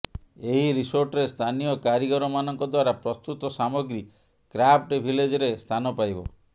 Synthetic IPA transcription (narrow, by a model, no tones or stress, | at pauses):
eɦiɾisoɾʈɔɾest̪ʰanijɔkaɾiɡɔɾɔmanɔŋkɔd̪waɾapɾɔst̪ut̪ɔsamɔɡɾi | kɾapʰʈbʱiled͡ʒɔɾest̪ʰanɔpajbɔ̰